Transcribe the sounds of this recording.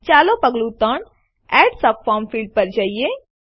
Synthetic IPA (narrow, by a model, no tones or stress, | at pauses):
t͡ʃaːlopəɡlut̪əɳ | ɛːʈsɐpfɔːɾmfiːlɖ̚pɐɾd͡ʒaːie